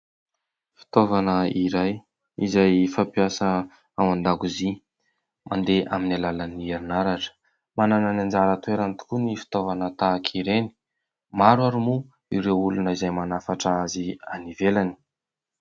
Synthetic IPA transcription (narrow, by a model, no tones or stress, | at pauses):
fi̥t̪ovanəiɾaj | izajfapiasə | awand̪aɡuzi | mʔa̰nd̪eʔaminalalanieɾinaɾaʈ͡ʂə̥ | manananand͡ʒaɾət̪ueɾant̪u̥kunifi̥t̪ovanət̪akʰiɾeni̥ | maɾwaɾumu | iɾewulunəizajmanafaʈ͡ʂaazia̰nivelani̥